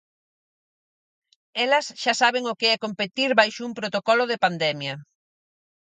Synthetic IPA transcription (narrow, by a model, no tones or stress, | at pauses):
ɛlɐsʃasaβ̞eŋokeɛkompet̪iɾβajʃʊumpɾot̪okɔlʊðepand̪ɛmjɐ